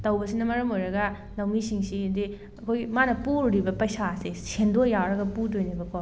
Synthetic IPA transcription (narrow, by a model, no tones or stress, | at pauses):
tɐwbɐsinɐmɐɾɐmojɾɐɡɐ | lɐwmisiŋsidi | ɐkʰojmanɐpuɾɾibɐpɐjsasesʰendojawɾɐɡɐpudojnibɐkɔ